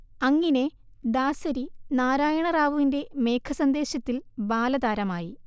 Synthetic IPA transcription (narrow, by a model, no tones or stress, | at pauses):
ɐŋːine | d̪aːsɐɾinaːɾaːjɐɳɐraːʋuʋinde̞me̞ːkʰɐsɐnd̪e̞ːɕɐt̪ːilbaːlɐd̪aːɾɐmaːji